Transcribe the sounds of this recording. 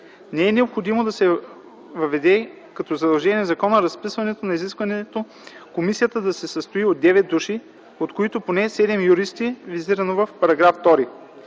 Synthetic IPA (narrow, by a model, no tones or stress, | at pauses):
nɛɛnɛopxod̪imod̪ɐsɛ | vɐvɛd̪ɛ | kɐt̪ɔzɐd̪ɐlˠʒɛniɛzɐkɔnəɾɐspisvɐnɛt̪onɐiziskvɐnɛt̪o | komisijət̪əd̪ɐsɛsɐst̪oiotd̪ːɛvɛt̪̚d̪uʃi | ot̪koit̪oponɛsɛd̪ɛmjuɾist̪iviziɾɐnovɐfpɐɾɐɡɾaft̪ɔɾi